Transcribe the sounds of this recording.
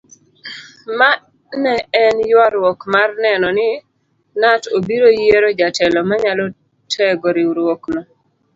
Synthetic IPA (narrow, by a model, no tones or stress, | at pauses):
ma | nɛɛnjwaɾwɔkmarnɛnɔnɪ | natobiɾojeɾod͡ʒatʰɛlɔmaɲalɔ | tʰɛɡɔɾɪwɾwoknɔ